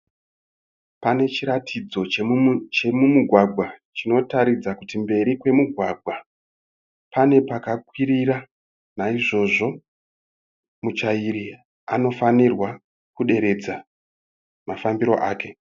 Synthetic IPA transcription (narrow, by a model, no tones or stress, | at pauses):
pane̞t͡ʃiɾatʰid͡zo̞t͡ʃemumuɡʱwaɡʱwat͡ʃino̞taɾid͡zakutimbe̞ɾikwe̞muɡʱwaɡʱwa | pane̞pakakwiɾiɾa | naiʐo̞ʐo̞ | mut͡ʃaiɾi | ano̞fanirwa | kuɗe̞ɾe̞d͡za | mafambiɾo̞̰ʔaːke̞